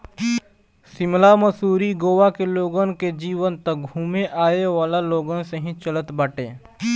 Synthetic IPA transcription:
sɪmlaməsuːɾiɡoːʋakeloːɡənked͡ʒiːʋənt̪ək̚ɡʱuːmeʔaːeʋaːlaloːɡənseɦĩt͡ʃələt̪baːʈẽː

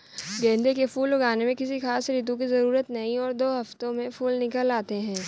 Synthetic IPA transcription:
ɡɛ̃ːnd̪ekefuːlʊɡaːnemẽkɪsixaːsɾiːt̪̬ũk̬izɐɾuːɾət̪nɐĩɔːɾd̪oːɦɐft̪õmẽfuːlnɪkəlːaːt̪eɦɛ̃ː

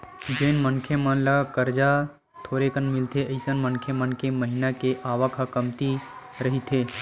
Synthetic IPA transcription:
d͡ʒeːnmənkʰjemənlakəɾd͡ʒa | t̪ʰoːɾekənmɪlt̪ʰeʔəɪsənmənkʰjemənkeməɦɪnakeʔaːʋəkʰəkəmt̪i | ɾəɦit̪ʰeː

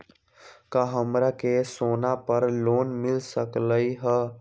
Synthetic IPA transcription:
kaɦəmɾakesoːnapəɾloːnmɪlsəkləiɦə

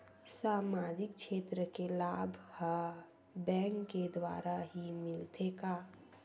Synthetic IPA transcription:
saːmaːd͡ʒɪkʃeːt̪ɾəkelaːbʱha | bɛ̃ːŋkːed̪wa̰ːɾaɦimɪlt̪ʰekaː

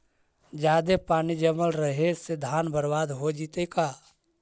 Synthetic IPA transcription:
d͡ʒjaːd̪epaːnid͡ʒəməlɾəɦesed̪ʱaːnbəɾbaːd̪ɦod͡ʒit̪ekaː

